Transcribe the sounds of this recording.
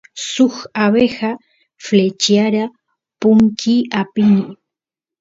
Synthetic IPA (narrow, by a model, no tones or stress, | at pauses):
sʊxaβexa | flet͡ʃjaɾa | pʊŋkʰiapini